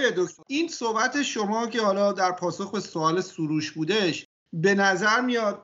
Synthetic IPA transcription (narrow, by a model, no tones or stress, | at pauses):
ed̪okt̪oiːnsohbæt̪ʰe̞ʃomɒːcʰe̞hɒːlɒːd̪æɾpʰɒːsoxbe̞soɒːle̞suɾuːʃbuːd̪eʃ | be̞næzæɾmijɒːd̪̥̚